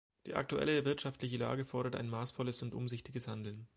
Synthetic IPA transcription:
d̥iːʔa̰k̚tuɛ̰ləvɪɐtʃaftlɪçəla̰ːɡəfɔɐɾɐta̰ɪnmaːsfɔləsʊntʔʊ̰mzɪçtɪɡəshandl̩n

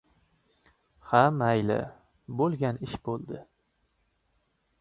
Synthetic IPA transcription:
hamajlɪ̰ | bolˠɡʲanɪʃbolˠd̪ɪ

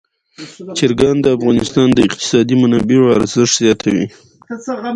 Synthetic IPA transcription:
t͡ʃɪɾɡand̪əafɣɑnɪst̪ɑnd̪əɪqt̪ɪ̥sɑd̪imʊnɑbiwɑɾzəʂʈzjɑt̪ʰawḭ

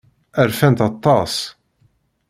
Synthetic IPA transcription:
ʔɛɾfɛnt̪ɐt̪ːɑːs

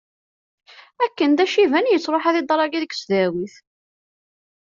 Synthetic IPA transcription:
ækːənd̪æʃivænjət͡sːɾˤoħæðid̪ˤɑɾˤɑɡiðəksðæwiθ

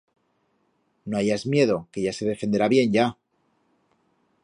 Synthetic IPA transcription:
no̞aʝazmje̞ð̞o̞ke̞ʝase̞ðe̞fe̞nd̪e̞ɾaβje̞nʝa

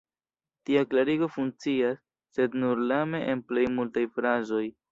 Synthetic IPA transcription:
tiaklaɾiɡo̞fuŋk̚t͡siasː | e̞dnuɾlame̞ʔenplejmultajfɾazo̞j

